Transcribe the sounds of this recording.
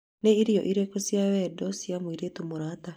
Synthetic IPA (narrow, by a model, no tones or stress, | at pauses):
neiɾiɔʔiɾekosjawɛdɔsjamwiɾetumoɾaːta